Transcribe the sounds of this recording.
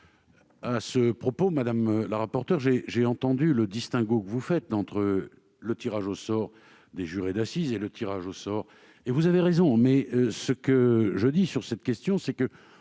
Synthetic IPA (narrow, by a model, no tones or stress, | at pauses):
asəpχɔpomad̪amlaʁapɔʁt̪ɛʁʒeʒeɑ̃t̪ɑ̃d̪yləd̪ist̪ɛ̃ɡokəvufɛt̪ɑ̃t̪χə | lət̪iʁaʒosɔʁ | d̪eʒyʁed̪asizelət̪ʰiʁaʒosɔʁ | evuzaveʁezɔ̃mɛsəkəʒəd̪isyʁsɛt̪kʲɛst̪jɔ̃sɛkə